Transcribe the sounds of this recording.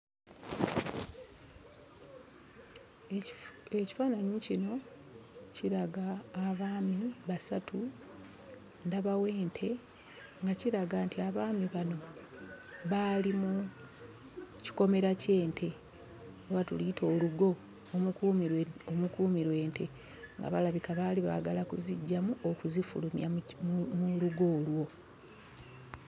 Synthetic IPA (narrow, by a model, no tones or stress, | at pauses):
eci̥faːnaɲicino̞ | ciɾaɡaːβaːmiβasatʰu | ndaβawe̞ːntʰe̞ | ŋɡaciɾaɡantʰiaβaːmiβano̞ | βalimu | ci̥ko̞me̞ɾace̞ːntʰe̞ | oβatuliitʰo̞ːluɡo̞ | omukuːmiɾwe̞ːnte̞ | ŋɡa̰βalaβikaβaliβa̰ːɡalakuziɟːamuokuzifṵlumjamuluɡo̞ːlwo̞